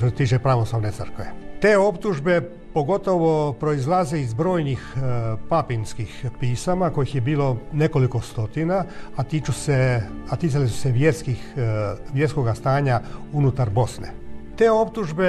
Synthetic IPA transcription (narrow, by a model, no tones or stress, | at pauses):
oset̪iːt͡ʃe̞pɾaʋo̞slˠaʋne̞t̪sər̩kʋe̞̰t̪e̞ːo̞pt̪uʒbe̞ | po̞ɡo̞t̪o̞ʋo̞pɾo̞izlˠaze̞izbɾo̞ːjnixpapinskixpiːsamako̞jixjebiːlo̞ne̞ko̞liko̞st̪o̞t̪inaat̪it͡ʃuseat̪iːsalisu̥seʋjeskixʋjeɾskoɡast̪aːɲaunut̪aɾbo̞snḛt̪e̞ːo̞pt̪uʒbe